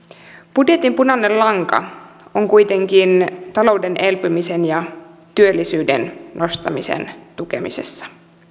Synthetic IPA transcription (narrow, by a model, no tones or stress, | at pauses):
b̥udje̞t̪impunɑnːellɑŋkɑ̰ | o̞ŋkujt̪e̞ŋk̟int̪ɑlo̞wde̞nʔe̞lpymise̞njɑt̪yø̞lːisyːdḛnnʔo̞st̪ɑmise̞̰nt̪uke̞̰mḭse̞̰sːɑ̥